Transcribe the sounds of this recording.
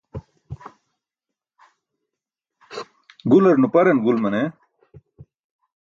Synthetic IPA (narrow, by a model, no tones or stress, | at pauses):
ɡulɐɾnupɐɾenɡulmɐne